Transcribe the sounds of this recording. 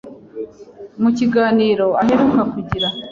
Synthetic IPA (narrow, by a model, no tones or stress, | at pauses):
muciɡaːniːɾo̞ahe̞ɾukakuɟiɾa